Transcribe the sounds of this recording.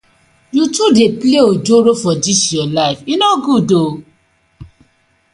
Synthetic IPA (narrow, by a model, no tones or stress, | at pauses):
jutudepleod͡ʒoɾofɔd͡ʒisjɔlaɪfinɔɡudo